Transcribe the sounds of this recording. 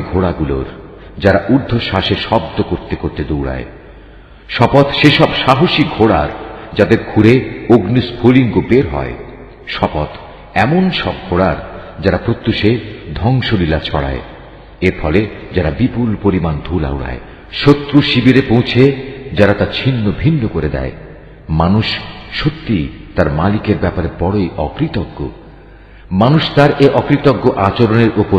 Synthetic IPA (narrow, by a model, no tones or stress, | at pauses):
ɡʱoɽaɡulo̰ɾ | d͡ʑaɾaʔuɾd̪ʱːoʃaʃeʃɔbd̪okoɾt̪ekoɾt̪ed̪uwɽa̰e | ʃɔpɔt̪ʃeʃɔbʃaɦoʃikɡʱoɽa̰ɾd͡ʑad̪eɾɡʱuɾeoɡnispʰoliŋɡobeɾɦɔ̰e | ʃɔpɔt̪ | ɛmonʃɔb̚ɡʱoɽaɾd͡ʑaɾapɾot̪ːuʃed̪ʱɔŋʃolilat͡ɕʰɔɽa̰e | eɾfɔled͡ʑaɾabipulpoɾimand̪ʱula̰wuɽa̰e | ʃot̪ːɾuʃibiɾepõwt͡ɕʰed͡ʑaɾat̪at͡ɕʰinːobʱinːokoɾed̪ɛ̰e | manuʃʃot̪ːijt̪aɾmalikeɾbɛpaɾebɔɽoiʔɔkɾit̪ɔɡːo̰ | manuʃt̪aɾʔeʔɔkɾit̪ɔɡːoʔat͡ɕoɾoneɾʔopo